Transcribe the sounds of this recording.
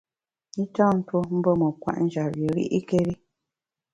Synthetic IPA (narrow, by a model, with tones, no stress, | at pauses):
ni˦tɔː˦˨n̩˦two˦m̩˦bə˦mə˨kwa̰˨ʔn̩˦d͡ʒa˨ɾbjə˨ɣḭ˦ʔi˦ke˦ɾi˦